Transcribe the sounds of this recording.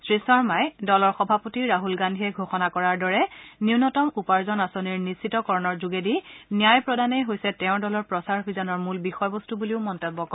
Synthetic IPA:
sɹisɔɹmajdɔlɔɹxɔbʱapotiɹaɦulɡandʱiɛɡʱoxɔnakɔɹaɹdɔɹɛniʊnɔtɔmupaɹzɔnasoniɹnisitɔkɔɹɔnɔɹzuɡedinijajpɹɔdanejɦojsɛtɛʊ̃dɔlɔɹpɹɔsaɹbizɔnɔɹmulbixɔjbɔstubuliʊmɔntebːɔkɔ

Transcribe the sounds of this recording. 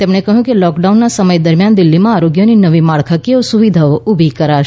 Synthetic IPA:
t̪emɳ̃ekəɦjũkelɔkɖaunːasəməjd̪əɾmjand̪ɪlːimãaɾoɡjoninəʋimaɭkʰəkeosuʋid̪ʱaoʔubʱikəɾaʃ

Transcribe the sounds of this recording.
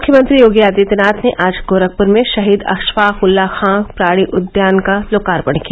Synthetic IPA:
mmʊkʰjəmə̃nt̪ɾijoːɡijaːd̪it̪ɛnaːt̪ʰneʔaːd͡ʒɡoːɾək̚pʊɾmẽʃɐɦiːd̪ɐ̰kʃʋaːxʊlːaxãːkpɾaːɽ̃iʔʊd̪jaːnkaloːkaːɾpɐɽ̤̃kia

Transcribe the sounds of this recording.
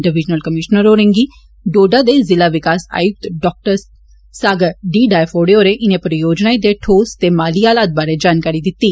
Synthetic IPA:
ʈəʋɪd͡ʒnəlkəmɪʃnəɾoːɾə̃ŋɡiː | ɖoːɖad̪eːzɪlaːʋɪkaːsa̰ːjʊk̚t̪ɖɔːk̚ʈəɾ | saːɡəɖiːɖaːjfʰoːɖeoːɾeʔɪnẽpəɾjoːd͡ʒnaːid̪eʈʰoːst̪eːmaːliːaːlaːt̪̚baːɾed͡ʒaːnkaːɾid̪ɪt̪ːiː

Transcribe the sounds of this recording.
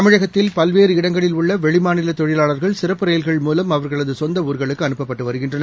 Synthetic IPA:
ɐmɪɻɐɣɐt̪ːɪlpɐlʋeːɾɯɪɽɐŋɡɐɭɪlʊɭːɐʋɛɻɪmaːnɪlɐt̪ɔɻɪlaːɭɐɾɣɐɭsɪɾɐpːɯɾeːjɐlɣɐɭmuːlɐmɐʋɐɾɣɐɭɐðɯsɔnd̪ɐuːɾɣɐɭɯkːɯɐnɯpːɐpːɐʈːɯʋɐɾɯɣɪndrɐnɐ

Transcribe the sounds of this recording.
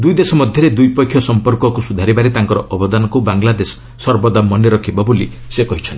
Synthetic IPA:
d̪ujd̪esɔmɔd̪ʱjɔɾed̪ujpɔkʰjɔsɔmpɔɾkɔkusud̪ʱaɾibaɾet̪aŋkɔɾɔʔɔbɔd̪anɔkubaŋlad̪esɔ̥ːɔɾbɔd̪amɔnɖeɾɔkʰibɔboli | sekɔɦit͡ʃʰɔn

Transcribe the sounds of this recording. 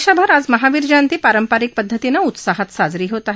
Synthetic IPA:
ʃabʱəɾad͡zməɦaʋiɾd͡ʑãnt̪iːpaɾəmpaɾik̚pəd̪ʱːət̪inaut̪saɦat̪sad͡zɾiːɦot̪aɦ

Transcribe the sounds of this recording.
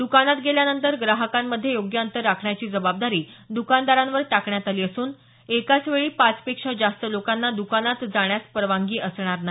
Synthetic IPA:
d̪ukanat̪ɡeljanənt̪əɾɡɾaɦəkamːəd̪ʱːjejoɡjəənt̪əɾːakʰɳjat͡ɕiːd͡zəbab̚d̪aɾiː | d̪ukand̪aɾãnʋəɾʈakɳjat̪aliːəsuːn | ekat͡sʋeɭiːpat͡spekʂad͡zast̪əlokanːad̪ukanat̪d͡zaɽ̃jaspəɾəʋaŋɡiːəsɳ̃aɾnai

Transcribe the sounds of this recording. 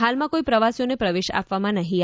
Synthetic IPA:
ɦalmãkoipɾəʋasjonepɾəʋeʃa̰pʋamãnəɦĩ

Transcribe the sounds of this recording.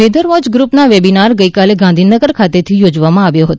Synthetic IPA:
ed̪əɾʋɔd͡ʒɡɾupnaʋebinaɾɡəikaleɡãnd̪ʱinəɡəɾkʰat̪et̪ʰijod͡ʒʋamãaʋjoɦət̪

